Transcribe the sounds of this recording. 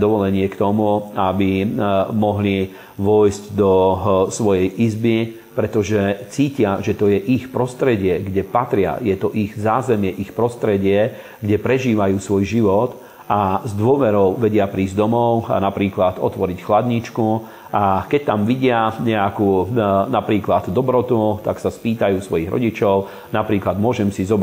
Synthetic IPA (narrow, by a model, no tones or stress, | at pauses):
d̪ɔʋɔlɛɲɪɛkt̪ɔmuabimɔɦli | ʋɔjzɟd̪ɔsʋɔjɛjʔizbi | pɾɛt̪ɔʒɛt͡siːcɪaʒɛt̪ɔjɛʔixpɾɔst̪ɾɛɟɪɛɡɟɛpat̪ɾɪa̰jɛt̪ɔʔiɣzaːzɛmɪɛʔixpɾɔst̪ɾɛɟɪɛ | ɡɟɛpɾɛʒiːʋajuːsʋɔjʒiʋɔt̪ | ʔazd̪ʊɔʋɛɾɔʊʋɛɟɪapɾiːzd̪ɔmɔʊa̰napɾiːklat̪ɔ̰t̪ʋɔɾicxlad̪ɲit͡ʃku | ʔakɛc̚t̪amʋiɟɪaɲɛakunapɾiːklad̪d̪ɔbɾɔt̪ut̪aksaspiːt̪ajuːsʋɔjiɣɾɔ̰ɟit͡ʃɔʊ | napɾiːklad̪mʊɔʒɛmsizɔb